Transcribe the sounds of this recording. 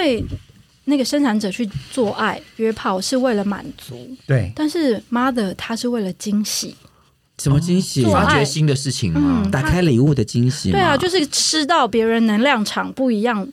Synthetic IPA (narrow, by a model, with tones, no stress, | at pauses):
iwe˥˧ɪ | na˥˩ɡə˩ʂə˥nʈ͡ʂʰa˧˥nʈ͡ʂɤ˨˩t͡ɕʰy˥˧t͡swɔ˥˧ʔa˥˩ɪɥɛ˧˥pʰɑ˨˩ʊʂɻ̩˥˧we˥˩ɪlə˩ma̰˨˩nt͡su˧˦t̪we˥˩t̪a˥˧nʂɻ̩˥˩ma˥d̪ə˨˦t̪ʰa˥ʂɻ̩˥˧we˥˩ɪlə˩t͡ɕi˥ŋɕḭ˨˩˦ | ʂə˧˥nmə˧t͡ɕi˥ŋɕi˨˩˥a˥t͡ɕɛ˧˥ɕi˥nd̪ə˨ʂɻ̩˥˩t͡ɕʰḭ˨˩ŋ̩˥˩a˨˩kʰa˥ɪli˨˩u˥˩d̪ə˩t͡ɕi˥ŋɕḭ˨we˥˩la˨˩t͡ɕjo˥˧ʊʂɻ̩˥˩ʈ͡ʂɻ̩˥t̪ɑ˥˩ʊpjɛ˧˥ɻə˧˥nnə˧˥ŋljɑ˥˩ŋʈ͡ʂʰɑ˨˩ŋpu˥˩i˧˥jɑ˥˩ŋ